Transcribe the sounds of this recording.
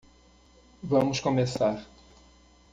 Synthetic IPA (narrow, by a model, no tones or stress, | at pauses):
vɐ̃mʊskomesaɾ